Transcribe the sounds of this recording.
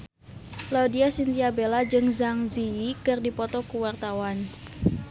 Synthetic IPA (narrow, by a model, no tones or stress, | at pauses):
laudiasint̪iabelad͡ʒɨŋzaŋziikɨrdipɔt̪ɔkuwart̪awan